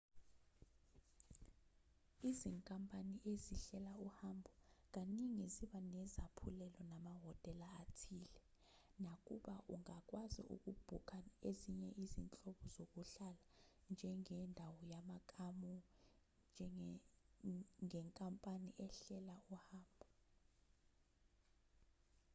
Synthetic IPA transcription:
iziŋkʼampʼaniʔeziɬɛlauhambʱuk̬aniŋiziɓanɛzapʰulɛlɔnamaɦɔtʼɛlaːtʰiːlɛ | nakʼuɓaʔṵŋak̬ʼwazḭʔṵk̬ʼub̥ʱukʰaeziɲɛʔizint͡ɬʼɔɓɔzok̬ʼuɬala | nd͡ʒʱɛŋɛndʱawɔjamakʼamu | d͡ʒʱɛ | ŋɛŋkʼampʼaniʔɛɬɛlaʔuhaːmbʱu

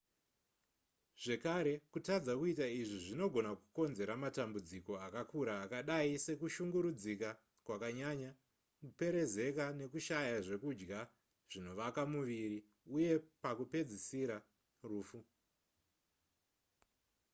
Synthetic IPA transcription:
ʐ̥e̞kaɾe̞kutad͡zakuitaiʐiʐino̞ɡʱo̞naku̥ko̞nze̞ɾamatambud͡ziko̞akakuɾaːkaɗaise̞kuʃuŋɡuɾud͡zika | kwakaɲaɲa | kupe̞ɾe̞ze̞kane̞kuʃajaʐe̞kud͡ʒɡa | ʐ̥ino̞ʋakamuʋiɾi | uje̞pakupe̞d͡zisiɾa | ruːfu

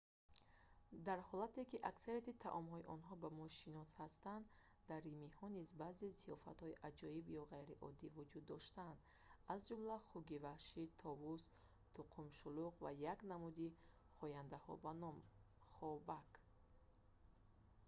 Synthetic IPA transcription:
d̪aɾhɔlat̪e̞kiʔaksaɾiat̪it̪ʰa̰ʔɔmhɔiʔɔnɦɔbamɔʃinɔshast̪and̪ | d̪aɾːimihɔnizbaːzeziɔfa̰t̪hɔiʔad͡ʒɔibjɔʁajɾiʔɔ̰d̪ːivud͡ʒud̪ːɔʃt̪and̪azd͡ʒumlaχuɡivahʃit̪ʰɔvus | t̪ʰuqʰumʃuluqva̰jaknamud̪i | χɔjand̪ahɔ̰banɔm | χɔbak

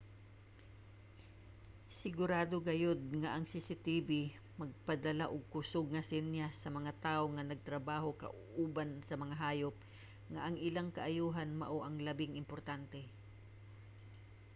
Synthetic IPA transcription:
sɪɡʊɾaːd̪oɡɐjod̪̚ŋaʔɐŋsɪsɪt̪iːbi | mɐɡ̚pɐd̪ɐlaʔʊɡ̚kʊsʊɡ̚ŋɐsɪnjasɐmɐŋat̪aːʔoŋɐnɐɡ̚t̪ɾɐbaːɦo̞kɐ̰ʔʔuːbansɐmɐŋaɦaːjop̚ | ŋaʔɐŋɪlaŋkɐʔajuːɦanmɐ̰ʔoʔɐŋlɐbɪŋɪmpoɾt̪ant̪ɛ

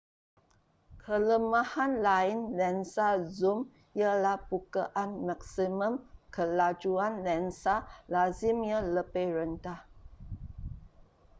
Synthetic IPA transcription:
kʰələmahanlainlɛnsazum | jəlahbukaʔanmak̚simə̃mkʰəlad͡ʒuanlɛnsalazimjələpeɾəntah

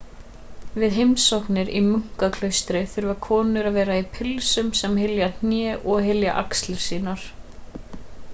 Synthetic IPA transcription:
vɪðɦejmsɔhknɪɾimʏŋ̥kakʰlœɥst̪ɾɪθɪɾvakʰɔːnʏɾaðvɛːɾaipʰɪlsʏmsɛmɦɪljan̥jɛːʔɔɣɦɪlja̰ʔa̰kslɪɾ̥siːnaɾ̥

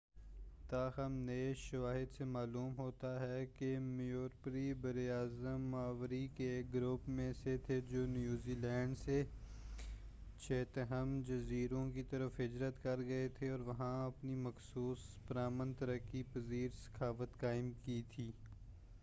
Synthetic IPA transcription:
t̪aːɦɐmneʃɐʋaːɦɪd̪semaːluːmɦoːt̪aɦɛkemijoːɾpɾibɐɾiaːzəmːaːʋɾikeːkɡɾʊpmẽset̪ʰed͡ʒoːnjuːziːlɛːɳɖse | t͡ʃʰeːt̪əɦəmd͡ʒɐziːɾõkit̪ɐɾəfɦɪd͡ʒɾət̪kɐɾɡɐet̪ʰeɔːɾʋɐɦãɐpnimɐxsuːspəɾaːmənt̪ɐɾəkːipɐziːɾsɐ̥xaːʋət̪kaːɪmkit̪ʰiː

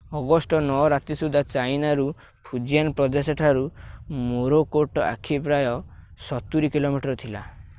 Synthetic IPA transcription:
ɔɡɔsʈɔnɔɔɾat̪isud̪ʱat͡ʃajnaɾu | pʰud͡ʒijanpɾɔd̪eseʈʰaɾumoɾokoʈɔa̰kʰipɾajɔsɔt̪ːuɾikilomiʈɔɾɔt̪ʰila

